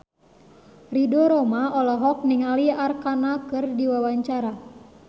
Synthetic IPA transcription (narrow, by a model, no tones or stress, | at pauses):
ridɔɾɔmaʔɔlɔɦɔk̚niŋaliarkanakɨrdiwawaɲt͡ʃaɾa